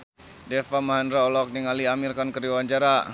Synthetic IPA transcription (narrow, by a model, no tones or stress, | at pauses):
dɛfamaɦandɾaɔlɔk̚niŋaliamirkɔnkəɾiwaɲd͡ʒaɾa